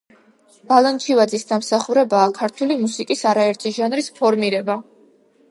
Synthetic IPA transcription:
b̥alˠant͡ʃʰivad̪zisd̪amsaχuɾɛbaːkʰaɾt̪ʰulimusikʼisaɾaɛɾt̪ʰiʒanɾispʰɔɾmiɾɛba

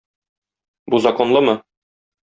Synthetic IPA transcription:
buzɐko̞nlˠɤmɤ

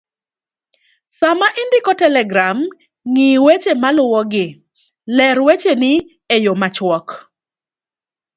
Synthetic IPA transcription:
samaʔɪndɪkɔtɛlɛɡɾam | ŋiwet͡ʃemalʊwɔɡɪ | lɛɾwet͡ʃenɪ | ejomat͡ʃwɔk

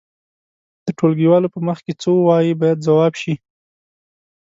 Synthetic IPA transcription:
d̪̥əʈolɡiwɑlopəməxket͡sowɑjibɑjad̪zawɑbʃi

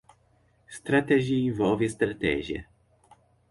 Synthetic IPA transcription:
st̪ɾat̪ɛʑivɔvʲjɛst̪ɾat̪ɛ̰ʑɛ̰

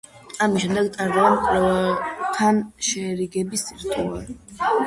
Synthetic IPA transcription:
amisʃːɛmd̪ɛɡt̪ʼaɾd̪ɔnkʼ | t̪ʰanʃɛɾiɡɛbisiɾt̪ʼuaɾi

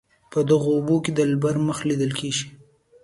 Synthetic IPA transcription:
pəd̪aɣoːboked̪əlbaɾməxlid̪əlkeʒi

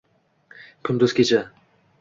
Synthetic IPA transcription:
kʲʰʊnd̪ʊzkʲʰet͡ʃʰa

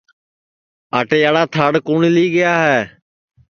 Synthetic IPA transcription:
aːʈeːjaːɽaːt̪ʰaːɽkuːɳiːliːɡɪjaːɦɛː

